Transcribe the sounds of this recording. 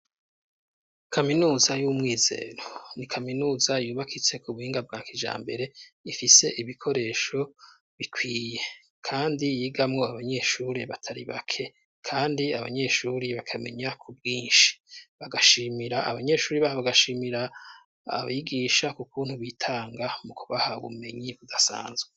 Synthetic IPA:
kʰaminuːzajumŋiːze̞̰ːɾo̞nikʰaminuːzajuːβakʰit͡se̞kʰuβuhiːŋɡab̚ɡaːkid͡ʒa̰ːmbe̞ɾe̞ifise̞ʔiβikʰo̞ɾe̞ːʃo̞ | βikʰwiːje̞ | kʰaːndijiːɡamŋo̞aβaɲe̞ʃuːɾeβatʰaɾḭβa̰kʰe̞ | kʰaːndiaβa̰ɲe̞ʃuːɾiβakʰame̞̰ɲakʰub̚ɡiːnʃi̥βaɡaʃimiɾaa̰βaɲe̞ːʃuːɾiβahaβaɡaʃiːmiɾa | a̰βaiɡiːʃakukuːn̥huβitʰaːŋɡamukuβaha̰βṵme̞ɲiβudasa̰ːnzɡwe

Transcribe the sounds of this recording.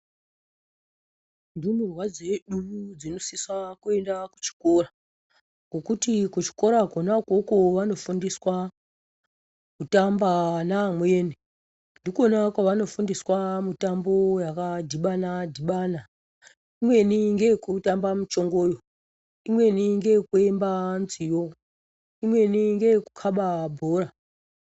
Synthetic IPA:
ndimurwad͡ze̞ɗud͡zino̞siswakue̞ndaku̥t͡ʃi̥ko̞ra | ŋɡo̞kutikut͡ʃi̥ko̞ɾakonakokoʋano̞fundiswa | kutambanamweːni | ndikonakwaʋano̞fundiswamutambo̞jakadʱiɓanadʱiɓana | imwe̞niŋɡe̞kutambamut͡ʃo̞ŋɡo̞ːjo | imwe̞niŋɡe̞kue̞mbanzijo̞ | imwe̞niŋɡe̞kukʰaɓabʱoːra

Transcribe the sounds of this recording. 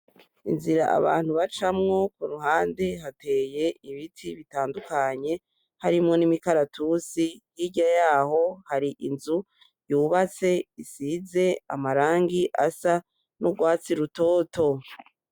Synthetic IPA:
ḭnziɾaʔa̰βa̰ːn̥huβat͡ʃamŋo̞kuɾuɦaːnde̞ɦate̞ːje̞ʔiβitʰiβitaːndukaɲe̞ | haɾimŋo̞nimikaɾatʰusijiɟajaːho̞haɾiʔinzu | juːβat͡se̞isize̞a̰maɾaːŋɡiʔasa | noɡwaːt͡siɾuto̞ːtʰo̞

